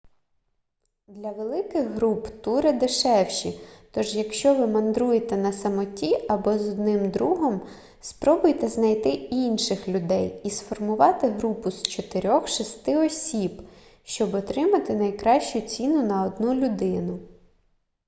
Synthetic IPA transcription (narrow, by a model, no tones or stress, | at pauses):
d̪lʲɐʋelˠɪkɪɣɦɾupt̪uɾɪd̪eʃɛwʃit̪ɔʒjɐkʃt͡ʃɔʋɪmɐnd̪ɾujet̪ɛnɐsɐmɔtʲiɐbɔzɔd̪nɪmd̪ɾuɦɔm | spɾɔbʊjt̪ɛznɐjt̪ɪinʃɪxlʲʊd̪ɛjisfɔrmʊʋɑt̪ɪɦɾupʊst͡ʃɔt̪eɾʲɔxʃist̪ɪɔsʲib | ʃt͡ʃɔbɔt̪ɾɪmɐt̪ɪnɐjkɾɑʃt͡ʃʊt͡sʲinʊnɐɔd̪nulʲʊd̪ɪnʊ